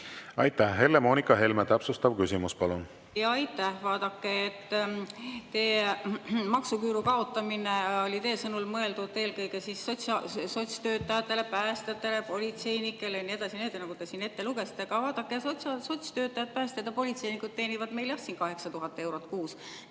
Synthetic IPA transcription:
ɑ̰jt̪ːæhɦe̞lːemo̞ːnikːˑɑɦe̞lmet̪æpsust̪ɑb̥kysimuspɑlun | jɑɑjt̪ːæhvɑːd̪̥ɑkːeet̪ː | eː | mɑksukyːɾukɑo̞t̪ːˑɑmineo̞lʲit̪e̞ːsɤnulmɤe̞ld̪ud̪̚t̪e̞ːlkɤjɡe̞sisot̪sɑso̞t̪ʲst̪øːt̪ːɑjɑt̪ːe̞le̞pæːst̪eɑt̪ːˑe̞le̞po̞lʲit̪se̞jnikːˑe̞lenie̞d̪ɑsʲineːt̪ːˑenɑɡut̪e̞siːne̞t̪ːe̞luɡe̞si̥t̪ːˑeɡ̥ɑvɑːd̪̥ɑkːesot̪sɑso̞t̪ʲst̪ø̞ːt̪ːˑɑjɑt̪̚pæːst̪ed̪̥ɑpo̞lʲit̪se̞jnikud̪̚t̪e̞ːnivɑd̪̥me̞jljɑsːiːnkɑɦe̞ksɑt̪uɦɑt̪ːˑe̞wɾot̪ːˑkuːs

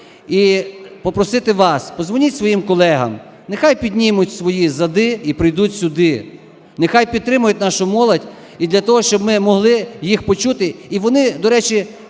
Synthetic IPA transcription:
ipɔpɾɔsɪt̪ɪʋɑspɔzʋɔnʲitʲsʋɔjimkɔlˠɛɦɐ̰m | nexajpʲid̪ʲnʲimʊtʲsʋɔjizɐd̪ɪipɾɪjd̪utʲsʲʊd̪ɪ | nexajpʲid̪t̪ɾɪmʊjʊtʲnɑʃʊmɔlˠɐdʲ | id̪lʲɐt̪ɔɦɔʃt͡ʃɔbmɪmɔɦlˠɪjixpɔt͡ʃut̪ɪiʋɔnɪd̪ɔɾɛt͡ʃi

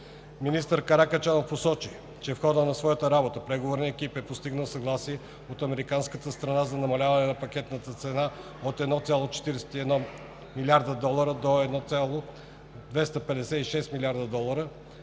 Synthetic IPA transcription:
minist̪əɾkɐɾakət͡ʃanofposɔt͡ʃi | t͡ʃɛfxɔd̪ənɐsvɔjət̪əɾabot̪əpɾɛɡovoɾnəɛk̟ipɛpost̪iɡnəlˠsɐɡlˠasiɛ | ot̪ɐmɛɾikanskət̪əst̪ɾɐnazɐnɐmɐlʲavɐnɛnɐpɐk̟ɛt̪nət̪ət̪sɛna | ot̪ɛd̪nɔt̪sʲjalˠot͡ʃɛ̥t̪iɾɛsɛ̥t̪iɛd̪nɔ | milʲiaɾd̪əd̪ɔlˠɐɾəd̪oɛd̪nɔt̪sʲalˠo | d̪vɛst̪əpɛd̪ɛsɛiʃɛst̪milʲaɾd̪əd̪ɔlˠəɾə

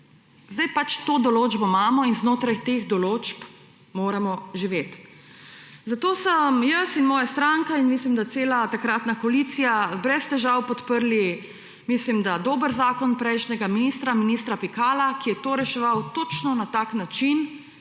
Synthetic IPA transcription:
zd̪ajpat͡ʃt̪oːd̪ɔloːd͡ʒbɔmaːmɔinznoːt̪ɾajt̪eɣd̪ɔloːt͡ʃp | moːɾamɔʒiʋeːt̪ | zat̪oːsəmjəsinmɔːjast̪ɾaŋkainmislimd̪at̪seːlat̪akɾat̪nakolit̪sijabɾɛst̪ɛʒawpɔt̪pəɾli | mislimd̪ad̪oːbəɾzaːkɔnpɾɛjʃnɛɡaminist̪ɾaminist̪ɾapikaːlakijɛt̪oːɾɛʃɛʋawt̪oːt͡ʃnɔnat̪aknat͡ʃin

